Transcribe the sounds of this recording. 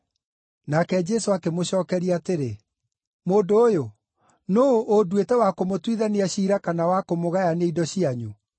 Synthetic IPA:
nakɛd͡ʒɛsoakemoɕɔːkɛɾiateɾe | moːndoːjo | noʔːdwetɛwakomotwiðaneaɕiːɾakanawakomoɣajaneidɔɕiaɲu

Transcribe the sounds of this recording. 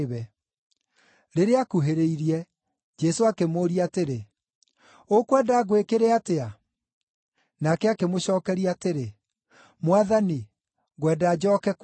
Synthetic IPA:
βɛ | ɾeɾeakuɦeɾeiɾiɛ | d͡ʒɛsoakemoːɾiateɾe | okwɛdaːɣwekeɾeatea | nakɛakemoɕɔːkɛɾiateɾe | mwaðani | ɣwɛdaːd͡ʒɔːkɛk

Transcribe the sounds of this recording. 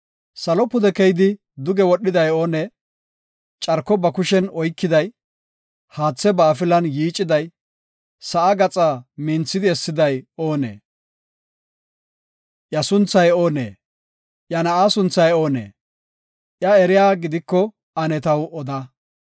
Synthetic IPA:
sɐlɔpːʊd̪ɛkɛjd̪ɪ | d̪ʊɡɛwɔɗːɪd̪ɐjoːne | t͡ʃʼɐɾkːɔbɐkʊʃɛnɔjkːɪd̪ɐj | haːt͡sːɛbaːfɪlɐnjiːt͡ʃʼːɪd̪ɐj | sɐʔaɡɐt͡sʼamɪnt͡sːɪd̪ɪɛsːɪd̪ɐjo̞ːnḛː | ʔjɐsʊnt͡sːɐjo̞ːnḛː | ʔjɐnɐʔaːsʊnt͡sːɐjo̞ːnḛː | ʔjɐɛɾɪjaːɡɪd̪ɪkːɔ | ɐnɛt̪ɐwɔd̪ɐ

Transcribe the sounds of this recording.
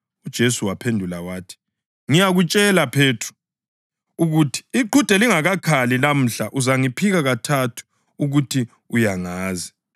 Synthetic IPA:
ud̥ʒ̥ʱesuwapʰendʱulawaːtʰi̥ | ŋijaɣut͡ʃʼɛlapʰeːtʰru̥ | uɣutʰi̥iǃʱud̥ʱɛliŋaɣakʰalilam̩ɬaʔuzaŋipʰiɣaɣatʰatʰu̥ | uɣutʰi | ujaŋaːzi̥

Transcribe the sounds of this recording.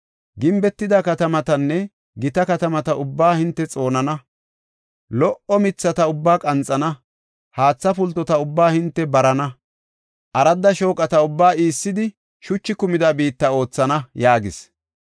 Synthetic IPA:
ɡɪmbɛt̪ːɪd̪akɐt̪ɐmɐt̪ɐnːɛ | ɡɪt̪ɐkɐt̪ɐmɐt̪ɐʔʊbːaːhɪnt̪ːɛt͡sʼo̞ːnɐnɐ | lɔʔʔɔmɪt͡sːɐt̪ɐʊbːaːkʼɐnt͡sʼːɐnɐ | haːt͡sːɐpʊlt̪ːɔt̪ɐʊbːaːhɪnt̪ːɛbɐɾɐnɐ | ʔɐɾɐd̪ːɐʃo̞ːkʼɐt̪ɐʊbːaːiːsːɪd̪ɪ | ʃʊt͡ʃːɪkʊmɪd̪abiːt̪ːɐo̞ːt͡sːɐnɐjaːɡɪ̰s

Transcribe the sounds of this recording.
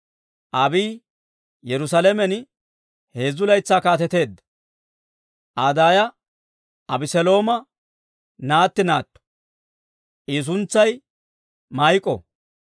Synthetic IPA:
ʔɐbiː | jɛɾʊs̬ɐlɛmɛn | he̞ːzːʊlɐjt͡sːaːkaːt̪ɛt̪e̞ːd̪ːɐ̥ | ʔad̪aːjɐ | ʔɐbɪsɛlo̞ːmɐ | naːt̪ːɪnaːt̪ːɔ̥ | ʔiːs̬ʊnt͡sːɐj | mɐjkʼːɔ̰

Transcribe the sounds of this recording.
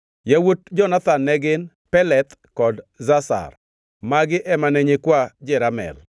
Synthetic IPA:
jawot̚d͡ʒɔnat̪anːɛɡɪn | pɛlɛt̪kɔdzasa̰r | maɡɪʔɛmanɛɲekwad͡ʒɛɾamɛ̰l

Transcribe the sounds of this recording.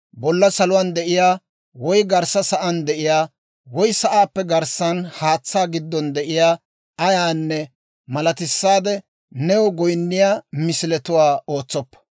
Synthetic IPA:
bɔlːɐsɐlʊwand̪ɛʔɪjaː | wɔjɡɐɾsɐsɐʔɐnd̪ɛʔɪjaː | wɔjsɐʔaːpːɛɡɐɾsːɐnhaːt͡sːaːɡɪd̪ːɔnd̪ɛʔɪjaː | ɐjaːnːɛ | mɐlɐt̪ɪsːaːd̪ɛ | nɛwɔɡɔjnːɪjaːmɪsɪlɛt̪ʊwaːo̞ːt͡sːɔpːɐ̥

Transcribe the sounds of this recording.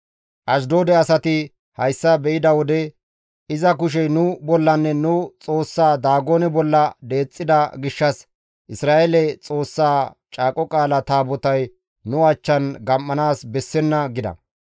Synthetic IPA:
ʔɐʃ̬d̪o̞ːd̪ɛɐsɐt̪ɪ | hɐjsːɐbɛʔɪd̪ɐwɔd̪ɛ | ɪzɐkʊʃ̬ɛjnʊbɔlːɐnːɛnʊt͡sʼo̞ːsːaːd̪aːɡoːnɛbɔlːɐd̪e̞ːt͡sʼːɪd̪ɐɡɪʃːɐs | ʔɪsɾaːʔelɛt͡sʼo̞ːsːaːt͡ʃʼaːkʼɔkʼaːlɐt̪aːbɔt̪ɐj | nʊɐt͡ʃːɐnɡɐmːɐnaːsbɛsːɛnːɐɡɪd̪ɐ̰

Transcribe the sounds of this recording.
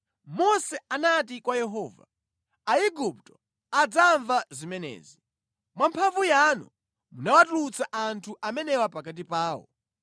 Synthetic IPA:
mɔsɛanat̬ikwajɛɦɔːva̰ | aiɡup̚tɔ̥ | ad͡zaɱvazimɛnɛ̰ːzi | mwampʰaɱvujanɔ̰ | munawatulut͡saʔantʰuʔamɛnɛwapakat̬ipaːwɔ̰

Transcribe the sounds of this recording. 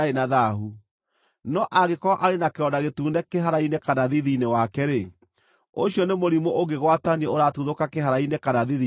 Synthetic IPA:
aenaðaɦu | nɔʔaɣekɔaʔaɾenakeɾɔndaɣetuːndɛkeɦaɾainekanaðiðinewakɛɾe | oɕjɔnemoɾimoʔoɣɡeɣwataniɛoɾatuðokakeɦaɾainekanaðiði

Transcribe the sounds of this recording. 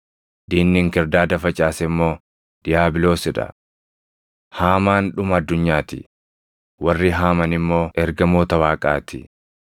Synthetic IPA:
d̪̥iːnnɪŋkɛɾd̪aːd̪ɐfɐt͡ʃʼaːsɛmːo̞ː | d̪̥ɪjaːbɪlo̞ːsɪᶑɐ̰ | haːmaːnᶑʊmɐd̪ːʊɲːaːt̪ɪ | wɐrːɪɦaːmɐnɪmːo̞ːʔɛɾɡɐmo̞ːt̪ɐwaːkʼa̰ːt̪ɪ̰

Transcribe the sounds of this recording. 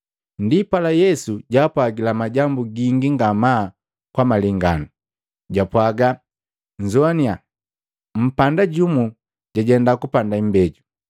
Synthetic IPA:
ndipalajɛsuɟaːpwaɡilamaɟambuɡiŋɡiŋɡama | kwamaliŋɡanu | ɟapwaɡa | ɲd͡ʒɔania | m̩pandaɟumu | ɟaɟɛndakupandaimbɛɟu

